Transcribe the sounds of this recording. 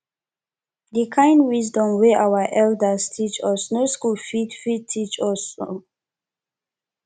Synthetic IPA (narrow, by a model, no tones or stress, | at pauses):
dikʰãj̃ndwizdɔ̃mweʔawəʔɛldəstʰit͡ʃɔsnoskulfidfitʰit͡ʃɔso